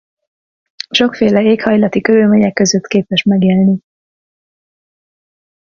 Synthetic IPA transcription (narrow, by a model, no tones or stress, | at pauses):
ʃo̞kfeːlɛeːkhɒjlɒt̪ikøɾylmeːɲɛkːøzøt̪keːpɛʃmɛɡelni